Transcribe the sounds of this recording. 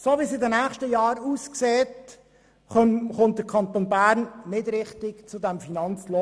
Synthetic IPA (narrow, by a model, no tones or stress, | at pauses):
soːʋisɪdənæːχʃtəjɑːɾuːskseːt | χʊnt̚d̥əɾkʰɑnt̪onbæːɾnnɪdɾɪχt̪ɪkt͡sʊd̪æmfinɑnt͡slo